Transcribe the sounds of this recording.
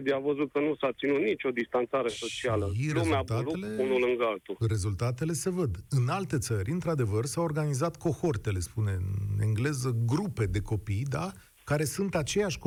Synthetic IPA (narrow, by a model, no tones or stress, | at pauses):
biavəzut̪̚kənusapt̪sinut̪̚nit͡ʃʲo̞d̪ist̪ant̪saɾe̞so̞t͡ʃialəɾeumeat̪aeleunulɨŋɡəalt̪ure̞zult̪at̪e̞le̞se̞vəd̪ɨnalt̪e̞t̪səɾʲɨnt̪ɾad̪e̞vərsaworɡanizat̪ko̞xo̞rt̪e̞le̞spune̞ɨe̞̰ŋɡle̞zəɡɾupe̞d̪e̞ko̞pijd̪a | kaɾe̞sunt̪at͡ʃe̞jaʃʲk